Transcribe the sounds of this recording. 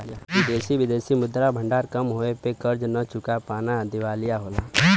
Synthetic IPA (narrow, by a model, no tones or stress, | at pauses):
ɪd̪eːsiʋɪd̪eːsimʊd̪ːɾabʱə̃ɳɖaːɾkɐmɦoːepekəɾd͡ʒnət͡ʃʊkapaːnad̪ɪʋaːlijaɦoːlaː